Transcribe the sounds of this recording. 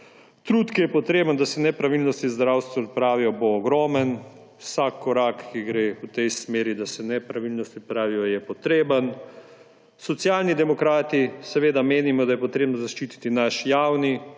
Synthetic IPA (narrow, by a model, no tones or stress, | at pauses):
t̪ɾut̪kijɛpɔt̪ɾeːbənd̪asɛnɛpɾaʋilnɔst̪izd̪ɾawst̪ʋɔt̪̚pɾaːʋijɔboːɡɾɔːmən | wsakʰːɔɾakːiɡɾeut̪ɛjsmeːɾid̪asɛnɛpɾaʋilnɔst̪ipɾaːʋijɔjɛpɔt̪ɾeːbən | sɔt̪sjaːlnid̪ɛmɔkɾaːt̪isɛʋeːd̪ameːnimɔd̪ajɛpɔt̪ɾeːbnɔzaʃt͡ʃit̪i̥t̪inaʃjawni